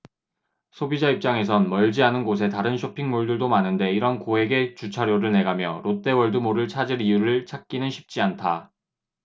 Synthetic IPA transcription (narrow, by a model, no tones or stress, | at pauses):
sʰobid͡ʑaip̚t͡ɕ͈aŋe̞sʰʌnmʌɭd͡ʑianɯnɡos̬ʰe̞taɾɯnɕʰopʰiŋmuɭdɯɭdomanɯnde̞iɾʌnkoɦe̞ɡe̞t͡ɕut͡ɕʰaɾjoɾɯɭne̞ɡamjʌɾot͈e̞wʌɭdɯmoɾɯɭt͡ɕʰad͡ʑiɾijuɾɯɭt͡ɕʰak̚k͈inɯnɕʰi̥p̚t͡ɕ͈iantʰa